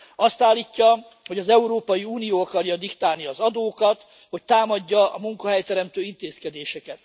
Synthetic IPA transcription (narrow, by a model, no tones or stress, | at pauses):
ɒst̪aːlːiːcːɒ | ho̞ɟɒzɛuɾoːpɒjiuːnijoːɒkɒrjɒd̪ikt̪aːlniɒzɒd̪oːkɒt̪ | ho̞ct̪aːmɒɟːɒɒ̰muŋkɒɦɛjt̪ɛɾɛmt̪øːint̪eːskɛd̪eːʃɛkɛt̪